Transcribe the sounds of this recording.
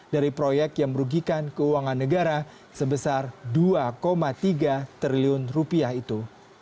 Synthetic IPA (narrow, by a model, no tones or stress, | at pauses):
daɾipɾojɛk̚t̪jaŋməɾuɡikankəuwaŋanːəɡaɾa | səbəsarduakomat̪iɡat̪ɾiliʊnrupiahit̪u